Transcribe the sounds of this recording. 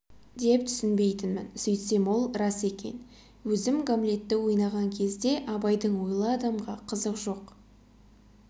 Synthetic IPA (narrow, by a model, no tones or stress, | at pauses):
d̪e̞p̚t̪ʰʏ̥sɪnbe̞jt̪ɪnmɪnsɵjt̪se̞mwo̞lˠɾɑse̞kʲe̞̰n | wɵzɪmɡomlʲe̞t̪ːɪwo̞jnɑʁɑŋkʲʰe̞zd̪e̞ʔɑbɑjd̪əɴwo̞jlˠəɑd̪ɑmʁɑqʰəzəqʒo̞q